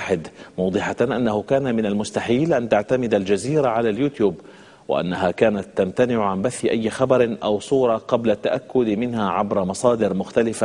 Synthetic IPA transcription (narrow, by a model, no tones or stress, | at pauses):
ħɪd̪mʊːd̪ˤɨħaʔanːahʊkaːnamɪnalmʊst̪aħiːlʔant̪aʕt̪amɪd̪ald͡ʒaziːɾaʕalaljuːt̪juːb | wɪ̰ʔa̰nːaɦakaːnat̪ːamt̪anɪʕʕambaθːɪʔajːxɑbɑɾˤɪʔawsˤuːɾˤɑqɑblat̪ːaʔakːʊd̪mɪnhaʕabɾˤɑmɑsˤɑːd̪ɪɾmʊxt̪alɪfa